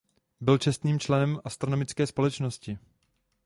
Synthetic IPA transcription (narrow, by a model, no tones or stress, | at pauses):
bɪlt͡ʃɛst̪niːmt͡ʃlɛnɛmʔast̪ɾo̞no̞mɪt͡skɛːspo̞lɛt͡ʃnoscɪ